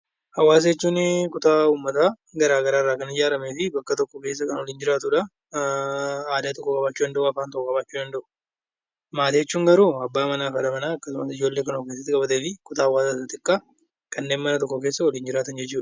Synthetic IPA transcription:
hɐwaːs̬ɐɛt͡ʃːuːnkʊt̪aːuːmːɐt̪aː | ɡɐɾaːɡɐɾaːrːaːkɐnɪd͡ʒaːɾɐmeːfɪbɐkːɐt̪ɔkːɔke̞ːsːɐkɐnɔliːnd͡ʒɪɾaːt̪ʊᶑɐ | aːd̪aːt̪ɔkːɔkʼɐbaːt͡ʃːuːd̪ɐnd̪ɐʔʊɐfaːnt̪ɔkːɔkʼɐbaːt͡ʃːuːᶑ̪ɐnd̪ɐʔʊ̥ | maːt̪ːt͡ʃːuːŋɡɐɾuːɐbːaːmɐnaːfɐᶑɐmɐnaːɐkːɐsʊmɐsɪd͡ʒoːlːeːkɐnoke̞ːs̬ːɐt̪ːɪkʼɐbɐt̪eːfɪkʊt̪aːɐwːaːsasɐt̪ɪkʼːa | kɐnːeːnmɐnɐt̪ɔkːɔk̬eːsːɐwɔliːnd͡ʒɪɾaːt̪ɐnd͡ʒɛt͡ʃːuːᶑɐ̥

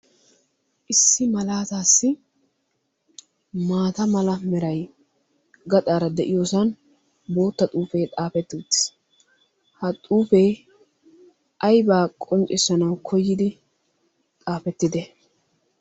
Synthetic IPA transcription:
ʔɪsːɪmɐlaːt̪aːsːɪ | maːt̪ɐmɐlɐmɛɾɐj | ɡɐt̪ʼaːɾɐd̪ɛʔɪjoːsɐn | bo̞ːt̪ːɐt̪ʼuːfeːt̪ʼaːfɛt̪ːuːt̪ːɪ̥s | hɐt̪ʼuːfej | ʔɐjbaːkʼɔnt͡ʃʼɪsɐnɐwkʰɔjːɪd̪ɪ | t̪ʼaːfɛt̪ːɪd̪ɛ

